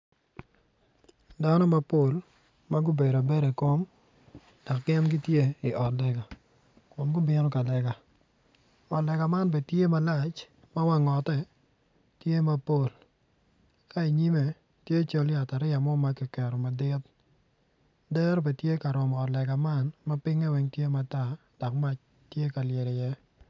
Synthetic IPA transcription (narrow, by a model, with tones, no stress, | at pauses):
da˦nɔ˦ma˦po˦˨l | ma˦ɡʊ˦be˨da˨be˦ɾe˨ko˦m | dɔ˨kːɛ˦mɡɪ˦tje˦ɪ˨ʔɔ˨tlɛ˨ɡa˨ | kʊ˨nɡʊ˦bɪ˦nɔ˦ka˨lɛ˨ɡa˨ | ɔ˨tlɛ˨ɡa˨ma˦nb̬e˨tje˦ma˦la˦˨t͡ʃ | ma˦wa˦ŋɔ˨tɛ˦ | tje˦ma˦po˦˨l | ka˦i˨ɲi˦me˨ | tje˦t͡ʃo˦lɪ˨a˨ta˨ɾɪ˦a˨mɔ˦ma˨˦kɛ˨kɛ˨ɾɔ˨ma˨dɪ˦t | dɛ˦ɾɔ˦bɛ˨tje˦ka˨ɾɔ˨mɔː˨tlɛ˨ɡa˨ma˦˨nma˦pɪ˦ŋɛ˦wɛ˦ŋtje˦ma˨ta˦ | d̥ɔ˨k̚ma˦t͡ʃ | tje˦ka˨lje˨dɪ˨jɛ˦